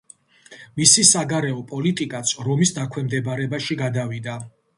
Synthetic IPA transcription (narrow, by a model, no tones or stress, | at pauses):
misisaɡaɾɛɔpʼɔlit̪ʼikʼat̪sʰɾɔmisd̪akʰwɛmd̪ɛbaɾɛbaʃiɡad̪avid̪a